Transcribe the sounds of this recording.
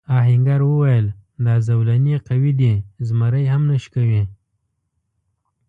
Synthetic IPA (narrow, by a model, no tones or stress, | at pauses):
ɑɦɪŋɡaɾwəwajəld̪ɑzawlanieqawid̪izmaɾəjɦamnəʃkawi